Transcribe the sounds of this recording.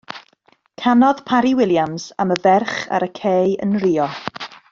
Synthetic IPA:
kʰanɔð̥pʰaɾiwɪlˠjamsa̰məvɛrχa̰ɾəkʰejə̰nriːɔ

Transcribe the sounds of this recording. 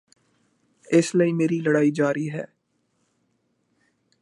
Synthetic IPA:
ɪsləimeːɾilɐɽaːid͡ʒaːɾiɦɛ̰ː

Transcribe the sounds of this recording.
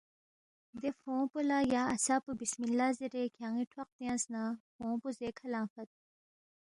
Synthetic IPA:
d̪efõːpulajaːɐsapubismilːaːziɾekʰjaːŋiʈʰwɐq̚t̪iãsnafõːpuzekʰɐlaːfɐt̪̚

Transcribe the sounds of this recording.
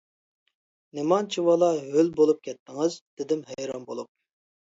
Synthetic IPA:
nemɑnt͡ʃʰiwɑlˠɑɦølbolˠup̚kʲʰɛt̪ʰːɪŋɨzd̪̥ɪd̪ɪmɦɛjɾɑnbolˠup̚

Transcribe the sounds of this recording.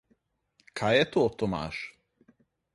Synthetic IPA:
kʰajɛt̪oːt̪ːoma̰ːʃ

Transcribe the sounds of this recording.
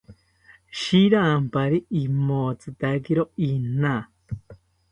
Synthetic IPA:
ʃiɾampaɾiimot͡sɨt̪akeɾoina

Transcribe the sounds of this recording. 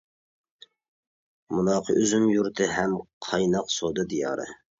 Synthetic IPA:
munɑːqʰəʔøzymjuɾt̪ʰɨɦɛmqʰɑjnɑqsod̪ɨd̪ijɑ̰ːɾɨ̰

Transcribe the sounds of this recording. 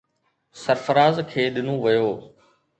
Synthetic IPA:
sɐɾfəɾaːzkʰeːɗɪnũʋɐjoː

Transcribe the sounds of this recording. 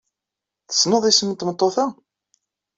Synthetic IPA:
θə̥sːnoðˤisəmːənt̪mət̪ˤːoθæ

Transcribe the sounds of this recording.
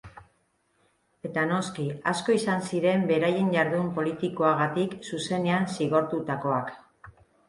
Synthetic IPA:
e̞t̪ano̞skiasko̞isansiɾe̞mbe̞ɾaje̞nɟaɾðumpo̞lit̪iko̞aɣ̞at̪iksuse̞ne̞ansiɣ̞o̞ɾt̪ut̪ako̞ak

